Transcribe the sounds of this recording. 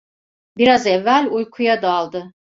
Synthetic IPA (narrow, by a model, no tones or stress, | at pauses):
biɾazɛvːælʲujkʰujad̪alˠd̪ɯ